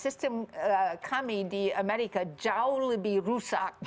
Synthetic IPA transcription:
sɪstə̃mkʰamidiəmɛɾikəd͡ʒawləbiɹusa̰k̚

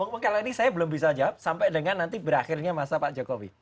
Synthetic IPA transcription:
ɔŋməŋkalainisajabəlʊmbisad͡ʒap̚sampɛʔdəŋanːant̪ibəɾaxɪrɲamasapaʔd͡ʒokowḭ

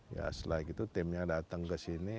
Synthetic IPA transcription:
ja̰slakit̪ut̪ɪmjaŋdat̪əŋkəsini

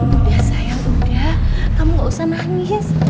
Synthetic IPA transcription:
uasajaʔudahkamuŋɡaʔusanaŋɪs

